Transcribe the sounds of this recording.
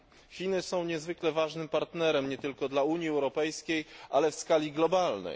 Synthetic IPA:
xʲinɘsɔ̃w̃ɲɛzvɘklɛvaʐnɘmpaɾt̪nɛɾɛmɲɛt̪ɘlkɔd̪lauɲjiɛwɾɔpɛjskʲejʔalɛfskalʲiɡlɔbalnɛ̰j

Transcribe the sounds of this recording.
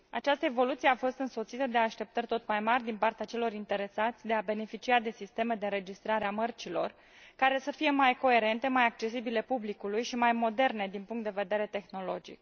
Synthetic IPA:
at͡ʃast̪əe̞vo̞lut̪sieafo̞st̪ɨnso̞t̪sit̪əd̪e̞aʃt̪e̞p̚t̪ərʲt̪o̞t̪majmarʲd̪inpart̪eat͡ʃe̞lo̞ɾint̪e̞ɾe̞sat̪sʲd̪e̞abe̞ne̞fit͡ʃiad̪e̞sist̪e̞me̞d̪e̞ɾe̞d͡ʒist̪ɾaɾeamərt͡ʃilo̞̰r | kaɾe̞səfije̞majko̞e̞ɾe̞nt̪e̞majak̚t͡ʃe̞sibile̞publikulujʃimajmo̞d̪e̞rne̞d̪inpuŋkt̪d̪eve̞d̪e̞ɾe̞t̪e̞xno̞lo̞d͡ʒḭk̚

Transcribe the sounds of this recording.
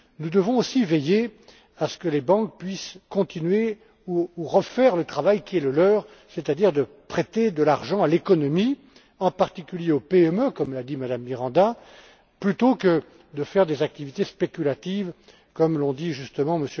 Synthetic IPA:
nud̪əvɔ̃osiveje | asə̥kəlebɑ̃k̚pɥiskɔ̃t̪inɥe | uːʁəfɛʁlət̪χavajkʲiɛləlœːʁ | set̪ad̪iʁd̪ə | pχet̪ed̪əlaʁʒɑ̃alekɔnɔmi | ɑ̃paʁt̪ikʲyljeopeœmøkɔmlad̪imad̪amːiʁɑ̃d̪a | plyt̪okə | d̪əfɛʁd̪ezak̚t̪ivit̪espekʲylat̪iv | kɔmlɔ̃d̪iʒyst̪əmɑ̃məsjø

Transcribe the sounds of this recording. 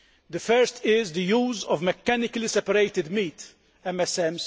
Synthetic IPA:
d̪əfɛɾst̪ʰɪzd̪əjuːzɔvmɛkːænɪklisɛpəɾeɪt̪ɪd̪miːt̪ | ɛmɛsɛms

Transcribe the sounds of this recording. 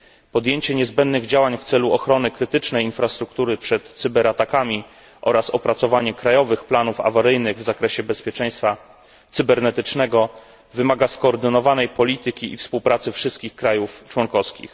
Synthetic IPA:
pɔd̪jeɲt͡ɕɛɲɛzbɛnd̪nɘɣd͡ʑawaɲft̪sɛluɔxɾɔnɘkɾɘt̪ɘt͡ʂnɛjinfɾast̪ɾuk̚t̪uɾɘpʂɛt̪sɘbɛɾat̪akamʲi | ʔɔ̰ɾasɔpɾat̪sɔvaɲɛkɾajɔvɘxplanufa̰vaɾɘjnɘɣvzakɾɛɕɛbɛspʲjɛt͡ʂɛj̃st̪fa | t̪sɘbɛɾnɛt̪ɘt͡ʂnɛɡɔ | vɘmaɡaskɔːɾd̪ɘnɔvanɛjpɔlʲit̪ɘkʲiḭfspuwpɾʔat̪sɘfʂɘst̪̚kʲixkɾajuft͡ʂwɔnkɔfskʲḭx

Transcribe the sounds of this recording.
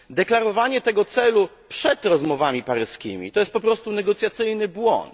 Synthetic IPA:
d̪ɛklaɾɔvaɲɛt̪ɛɡɔt̪sɛlu | pʂɛt̪ɾɔzmɔvamʲipaɾɘskʲḭmʲḭt̪ɔjɛst̪̚pɔpɾɔst̪unɛɡɔt̪sʲjat̪sɘjnɘbwɔ̰nt̪

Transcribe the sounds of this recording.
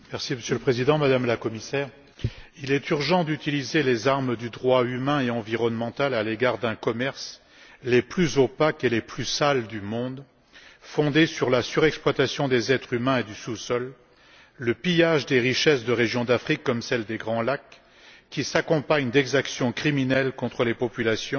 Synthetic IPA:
mɛʁsiməsjøləpχezid̪ɑ̃mad̪amlakɔmisɛːʁ | ilɛt̪yʁʒɑ̃d̪yt̪ilizelezaʁmd̪yd̪ʁwaymɛ̃eɑ̃viʁɔnmɑ̃t̪alaleɡaʁd̪ɛ̃kɔmɛʁs | leplyzopakeleplysald̪ymɔ̃d̪ | fɔ̃d̪esyʁlasyʁɛksplwat̪asjɔ̃d̪ezɛt̪χymɛ̃ed̪ysusɔlː | əpijaʒd̪eʁiʃɛsd̪əʁeʒjɔ̃d̪afχikːɔmsɛld̪eɡʁɑ̃lakː | isakɔ̃paɲd̪ɛɡzaksjɔ̃kχiminɛlkɔ̃t̪χəlepɔpylasjɔ̃

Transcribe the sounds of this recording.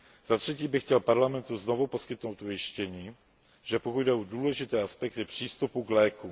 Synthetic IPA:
z̥at̪r̝̥ɛciːbɪxcɛlpaɾlamɛnt̪uznovupo̞skɪt̪no̞wt̪ujɪʃcɛɲiː | ʒɛpokud̪dɛʔoduːlɛʒɪt̪ɛːaspɛk̚t̪ɪpr̝̥iːst̪upuɡlɛːku

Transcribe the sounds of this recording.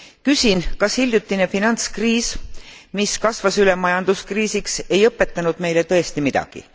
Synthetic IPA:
kysʲinkɑshilʲjut̪ːˑinefinɑnt̪skriːsmiskɑsvɑsyle̞mːɑjɑnd̪̥uskriːsikse̞jɤpːˑe̞t̪ːˑɑnud̪̥me̞jle̞t̪ɤ̞e̞st̪imid̪̥ɑ̰ɡ̥ḭ

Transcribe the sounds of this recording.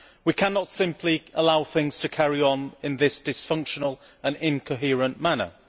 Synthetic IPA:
wikʰanətsɪ̃mpʰliəlaʊθɪ̃ŋz̥tʰəkʰæɹiə̃nɪ̃nðɪsd̥ɪsfʌ̃ŋkʃənəlˠ | ə̃nɪ̃nkʰəɦɪəɹə̃nmanə̰

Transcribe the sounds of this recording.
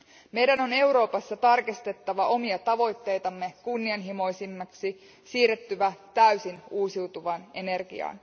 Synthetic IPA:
me̞jdæno̞ne̞wɾo̞ːpɑsːɑt̪ɑrkist̪e̞t̪ːɑʋɑʔo̞miɑt̪ɑʋo̞jt̪ːe̞jt̪ɑmːe̞kunːiɑnɦimo̞jsimːɑksi | siːret̪ːyʋæt̪æysinuːsiwt̪uʋɑne̞ne̞rɡ̥ḭɑ̰ːn

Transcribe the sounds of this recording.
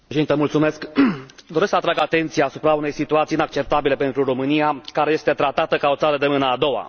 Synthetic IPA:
ʃed̪it̪emult̪sumeskd̪oɾesksəat̪ɾaɡat̪e̞nt̪sijaːsupɾaune̞jsit̪uat̪sinak̚t͡ʃe̞p̚t̪abile̞pe̞nt̪ɾuro̞mɨnijakaɾe̞jest̪e̞t̪ɾat̪at̪əkao̞t̪saɾəd̪e̞mɨnəːd̪o̞wa̰

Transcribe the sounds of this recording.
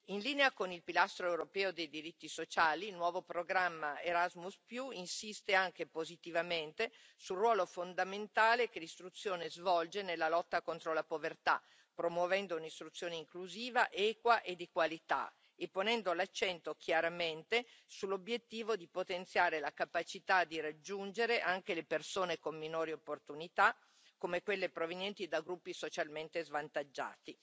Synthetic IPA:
inliːneakonilpilast̪ɾoewɾopɛːod̪ejd̪iɾit̪ːisot͡ʃaːlinwɔːvopɾoɡɾamːaeɾazmuspjuinsist̪eaŋk̟epozit̪ivament̪e | sulrːwɔːlofond̪ament̪aːlekelist̪ɾut̪sːjoːnezvɔld͡ʒenelːalɔt̪ːakont̪ɾolapovert̪a̰ | pɾomwovɛnd̪ounist̪ɾut̪sːjoːneiŋkluziːvaʔɛːkwaʔed̪ikwalit̪a̰ | epːonɛnd̪olat͡ʃːɛnt̪ok̟jaɾament̪esulːobjet̪ːiːvod̪ipot̪ent̪sjaːɾelakapat͡ʃit̪ad̪iɾad͡ʒːund͡ʒeɾeʔaŋkelepersoːnekomːinoːɾiopːort̪unit̪a | kːomekwelːepɾovenjɛnt̪id̪aɡɾupːisot͡ʃalment̪ezvant̪ad͡ʒːa̰ːt̪i

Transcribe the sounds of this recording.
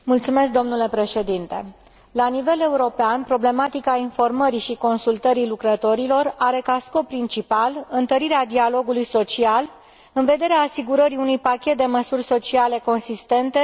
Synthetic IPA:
mult̪sume̞sk̚d̪o̞mnule̞pɾe̞ʃe̞d̪int̪e̞̰ | lanive̞le̞uɾo̞peanpɾo̞ble̞mat̪ikainfo̞rməɾiʃiko̞nsult̪əɾilukɾət̪o̞ɾilo̞raɾe̞kasko̞pːɾint͡ʃipalɨnt̪əɾiɾead̪ialo̞ɡulujso̞t͡ʃial | ɨnve̞d̪e̞ɾeaːsiɡuɾəɾiunujpakʲe̞t̪̚d̪e̞məsurʲso̞t͡ʃiale̞ko̞nsist̪e̞nt̪e̞

